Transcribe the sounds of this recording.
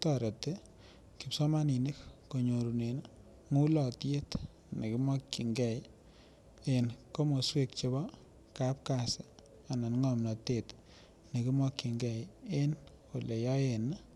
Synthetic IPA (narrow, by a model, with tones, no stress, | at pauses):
tɔ˨ɾe˨te˦ | ki˨psɔ˦ma˦ni˨ni˦kː | o˨ɲo˨ɾu˨ne˨n | ŋu˦lɔ˨tje˦t | ne˨ki˦mɔ˦kːi˨ŋɡɛ˦˨j | e˨nko˦mo˨swe˦k̚t͡ʃe˦bɔ˦ | ka˦p̚ka˨sɪ˨ | a˨na˨nŋɔ˦mnɔ˨te˨t | ne˨ki˦mwɔ˦kːi˨ŋɡɛ˨je˦nko˨le˨jɔ˦je˨n˦